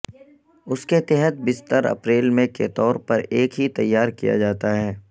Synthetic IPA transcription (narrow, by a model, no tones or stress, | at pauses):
ʊsket̪ɛɦət̪̚bɪst̪əɾɐ̰pɾeːlmẽket̪ɔːɾpɐɾeːkɦit̪ɐjːaːɾkḭja̰d͡ʒaːt̪aɦɛː